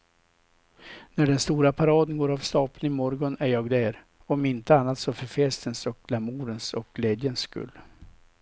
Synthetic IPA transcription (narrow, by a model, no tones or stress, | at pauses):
næɖɛnst̪uːɾapʰaɾɑːd̪ənɡoːɾavst̪ɑːplnɪŋmɔɾɡɔnæɾjɑːɡd̪æːɾ | ɔmɪnt̪əanːat̪sɔfœɾfɛst̪ənsɔk̚lamuːɾənsɔk̚ɡleːd̪jənsːkɵ̰lː